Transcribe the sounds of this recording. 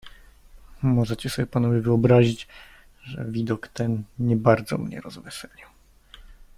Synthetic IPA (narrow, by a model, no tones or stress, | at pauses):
mɔʐɛt͡ɕɛsɔbʲjɛpanɔvʲjivɘɔbɾaʑit͡ɕ | ʐɛ̰vʲid̪ɔkt̪ɛnɲɛbaɾd̪zɔ̰mɲɛ̰ɾɔzvɘsɛlʲiw